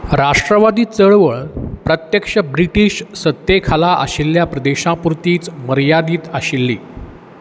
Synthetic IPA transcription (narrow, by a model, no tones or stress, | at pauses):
ɾaʂʈɾəʋad̪iːt͡səɭʋəɭpɾət̪jəkʂəbɾiʈiːɕsət̪ːekʰalaʔə̰ɕilːjapɾəd̪eɕãpuɾt̪iːt͡sməɾjad̪iːt̪aɕilːḭː